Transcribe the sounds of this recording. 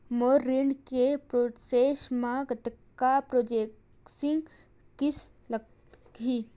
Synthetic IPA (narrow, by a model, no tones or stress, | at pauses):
moːɾːiɳɖkepɾoseːʃmãɡt̪ː | apɾoːd͡ʒek | sɪ̃ŋɡ | kɪs | lə | kɦiː